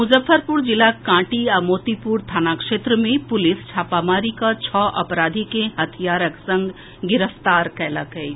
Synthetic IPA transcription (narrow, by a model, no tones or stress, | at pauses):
mʊzəfʰːəɾpuɾd͡ʒɪlakãːʈiamoːt̪ipuɾt̪ʰaːnakʂeːt̪ɾəmẽpʊlɪst͡ʃʰaːpamaːɾikat͡ʃʰɔːʔɐ̰pɾaːd̪ʱikeɦɐt̪ʰijaːɾəksə̃ŋɡ | ɡɪɾəft̪aːɾkɛːlakɐi